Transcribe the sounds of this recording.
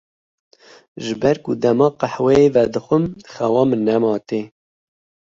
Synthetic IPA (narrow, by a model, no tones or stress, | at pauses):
ʒɨbɛɾkʊd̪ɛmɑːqaħwɛevɛd̪ɨxʷəmxɛwɑːmɨnːɛmɑːt̪e